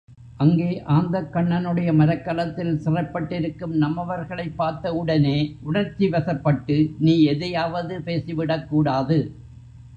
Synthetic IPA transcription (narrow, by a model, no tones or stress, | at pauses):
ʔɐŋɡeːʔaːnd̪ɐkːɐɳːɐnɯɽɐjɐmɐɾɐkːɐlɐt̪ːɪlsɪrɐpːɐʈːɪɾɯkːɯmnɐmːɐʋɐɾɣɐɭɐɪpːaːɾt̪ɐɯɽɐneːʔʊɳɐɾt͡ʃːiʋɐsɐpːɐʈːɯniːɛðɐjaːʋɐðɯpeːsɪʋɪɽɐkːuːɽaːðɯ